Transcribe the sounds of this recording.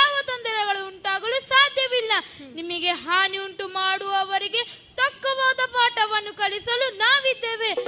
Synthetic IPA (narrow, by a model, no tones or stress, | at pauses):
aːʋɐt̪ɐnd̪ɐɾɐɡɐɭuːɳʈaːɡɐɭusaːd̪ʱjɐʋilːɐnimɐɡe̞ɦaːniuɳʈumaːɽuɐʋɐɾiɡe̞ | t̪ɐkːɐʋaːd̪ɐpaːʈɐʋɐnːukɐɭisɐlunaːʋid̪ːeːʋe̞